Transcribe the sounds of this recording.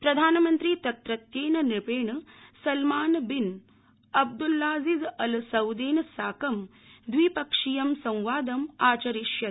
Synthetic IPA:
pɾɐd̪ʱaːnɐmɐnt̪ɾit̪ɐt̪ɾɐt̪jeːnɐnipeːɳɐsɐlmaːnbin | ɐb̚d̪ulːaːzizɐlsɐwd̪eːnɐsaːkɐm | d̪ʋipɐkʂijɐmsɐ̃w̃ʋaːd̪ɐmaːt͡ʃɐɾiʃjɐ

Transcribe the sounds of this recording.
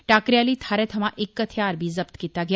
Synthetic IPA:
ʈaːkɾjaːlit̪ʰaːɾet̪ʰɐmãʔɪkːɐt̪ʰijaːɾbʱizɐbt̪kiːt̪aɡɪj

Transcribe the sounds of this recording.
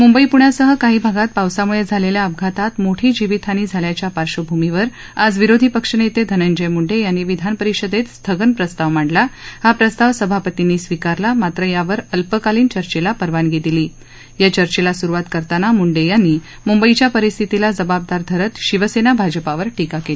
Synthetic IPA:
mumbəipuɳjasəɦəkaɦiːbʱaɡat̪̚pawsamuɭed͡zʱaleljaəbɡʱat̪at̪moʈʰiːd͡ʑiʋit̪ʰaniːd͡zʱaljat͡ɕjapaɾɕəbʱumiʋəɾ | ad͡zʋiɾod̪ʱipəkʂənet̪ed̪ʱənənd͡ʑəjmuɳɖejanːiːʋid̪ʱanpəɾiɕəd̪et̪st̪ʰəɡənpɾəst̪aʋm̤aɳɖlaɦapɾəst̪aʋsəbʱapət̪inːiːsʋikaɾlamat̪ɾəjaʋəɾəlpəkaliːnt͡ɕəɾt͡ɕelapəɾʋanɡʱet̪iliː | jat͡ɕəɾt͡ɕelasuɾuʋat̪kəɾt̪anamuɳɖejanːiː | mumbəit͡ɕjapəɾist̪ʰit̪ilad͡zəbap̚d̪aɾd̪ʱəɾət̪ɕiʋəsenabʱad͡ʑəpaʋəɾʈikakeli

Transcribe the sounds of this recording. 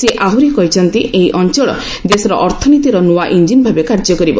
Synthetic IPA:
seʔaɦuɾikɔɦit͡ʃʰɔnt̪iʔeɦiʔɔnt͡ʃɔɭɔ̰ | d̪esɔɾɔʔɔɾt̪ʰɔnit̪iɾɔnuaʔind͡ʒinbʱabekaɾd͡ʒɔkɔɾibɔ

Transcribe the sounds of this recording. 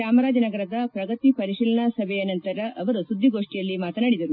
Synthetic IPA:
aːmɐɾaːd̪ʱinɐɡɐɾɐd̪ɐpɾɐɡɐt̪ipɐɾiʂiːlɐɳɐsɐbʱɛjɐnɐnt̪ɐɾɐʔɐʋɐɾusud̪ʱːiɡo̞ːʂʈijɐlːimaːt̪ɐnaːɽid̪ɐɾu

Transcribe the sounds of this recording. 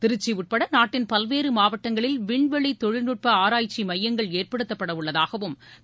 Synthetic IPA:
t̪ɪɾɯt͡ʃːiʊʈ̚pɐɽɐnaːʈːɪnpɐlʋeːɾɯmaːʋɐʈːɐŋɡɐɭɪlʋɪɳʋɐɭit̪ɔɻɪnuʈ̚pɐaːɾaːjt͡ʃːimɐjːɐŋɡɐɭeːrpɐɽɯt̪ːɐpːɐɽɐʊɭːɐðaːɣɐʋɯm

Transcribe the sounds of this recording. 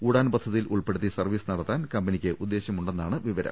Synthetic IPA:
uːɽaːnpɐd̪ʱːɐðijiluɭpe̞ɽut̪ːisɐrʋiːsɨnɐɽɐt̪ːaːnkɐmbɐnikʲːɨʔud̪ːe̞ːɕjɐmuɳɖe̞nːaːɳɨʋiʋɐɾɐ̰m

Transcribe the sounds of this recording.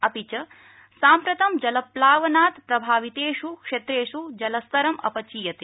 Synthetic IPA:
ɐpit͡ʃɐ | saːmpɾɐt̪ɐmd͡ʒɐlɐplaːʋɐnaːt̪pɾɐbʱaːʋit̪eːʂukʂet̪ɾeːʂud͡ʒɐlɐst̪ɐɾɐmɐ̰pɐt͡ʃiːjɐt̪e

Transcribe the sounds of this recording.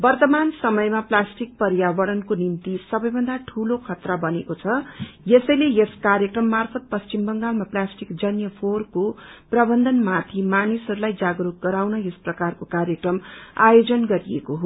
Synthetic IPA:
bʌrt̪ʌmansʌmʌjmaplasʈik̚pʌɾjabʌɾʌnkonimt̪isʌbʌjbʱʌnd̪aʈʰulokʰʌt̪rabʌnḛkot͡sʰʌjesʌjlejeskarjekrʌmːarpʰʌt̪̚pʌst͡ɕimbʌŋɡalmaplasʈikd͡zʌnjʌpʰorkoprʌbʌnd̪ʌnmat̪ʰimanisʌɾulajd͡zaɡɾuk̚ɡʌɾawnʌjesprʌkarkokarjʌkrʌma̰jod͡zʌnɡʌɾijḛkoɦo

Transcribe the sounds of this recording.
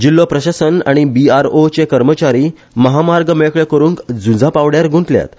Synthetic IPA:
d͡ʑilːopɾəɕasəna̰ɽ̃ibiaɾot͡ɕekəɾmət͡ɕaɾiː | məɦamaɾɡəmeɭkɭekəɾũːŋkd͡zud͡zapaʋɽjaɾɡʱũɳʈlja̰t̪

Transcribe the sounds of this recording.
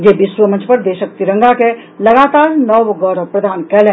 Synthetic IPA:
jeːbɪsʋəmɐ̃nt͡ʃpɐɾd̪eːʃək̚t̪iɾɐ̃ŋɡake | lɐɡaːt̪aːɾnɔːʋɡɔːɾəpɾɐd̪ʱaːnkɛːlẽː

